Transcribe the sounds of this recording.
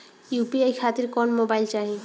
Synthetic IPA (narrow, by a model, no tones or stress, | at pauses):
jupiejkʰat̪iɾkɔnmobajlt͡ʃaɦĩ